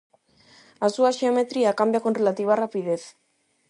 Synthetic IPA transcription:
asuaʃeome̞t̪ɾiakambijakonrelat̪iβarapiðe̞θ

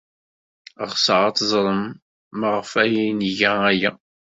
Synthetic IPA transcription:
əʁsəʕɑt̪zˤɾˤəmː | əʁfæjiniʝææjæ

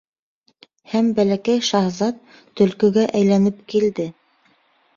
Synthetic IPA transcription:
hæmbælækæjʃɑhzɑt̪ː | ɵ̆lkɵ̆ɡæʔæjlænɘp̚kild̪ɘ

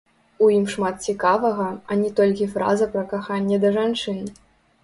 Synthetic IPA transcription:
ujimʂmat̪̚t͡sʲikavɐɣɐɐnʲɛt̪ɔlʲkʲifɾa̰zɐpɾɐkaxanʲːɛd̪ɐʐant͡ʂɨn

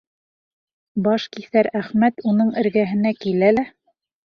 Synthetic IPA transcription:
bɑʃkiθæɾæχmæt̪unɤɴɘ̆ɾɡæɦɘ̆nækilælæ

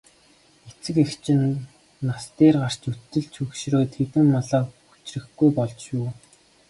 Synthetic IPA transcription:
et͡sɘ̆kext͡ɕʰɪ̆nː | ast̪eːrɢar̥t͡ɕut̪ːɘ̆ɮt͡ɕʰɵkʃroːt̪ʰet̪ɘ̆mːɔɮɔːkxu̥t͡ɕrɘ̆xɡujpɔɮt͡ɕjʊː

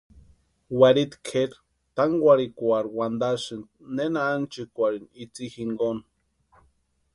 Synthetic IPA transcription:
waɾit̪kʰeɾ | t̪aŋɡʷaɾikʷaɾwand̪asɨnnenaːnt͡ʃɨkʷaɾinit͡sihiŋɡon

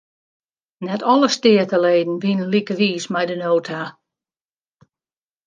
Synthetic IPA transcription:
nɛtʰɔlˠəstɪətəleːdn̩ʋinənlikəʋiːsmɛjdənoːtʰa

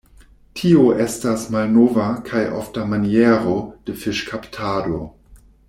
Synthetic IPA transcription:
tʰioʔestasmalnovakʰajʔo̰ftamanieʁo̞d̥efɪʃkʰaptʰaːdo̞

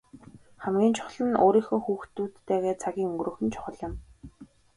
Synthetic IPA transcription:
χæmɡʲiːnt͡ɕʰʊ̥χ̆ɮə̆no̰ːɾiːxoːxuːxt̪uːt̪ːeːɣeːt͡sʰaɣʲiːŋɵŋɡrɵ̆ːxɘ̆nt͡ɕʰʊ̥χə̆ɮɪ̆m

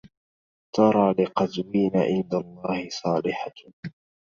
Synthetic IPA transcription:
t̪ɑɾˤɑːlɪqɑzwiːnaʕɪnd̪alˤːɑːhɪsˤɑːlɪħa

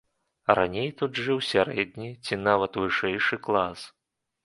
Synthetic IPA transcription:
ra̰nʲejt̪ud̪ʐɨwsʲaɾɛd̪ʲnʲit͡sʲinavɐt̪vɨʂɛjʂɨklˠas

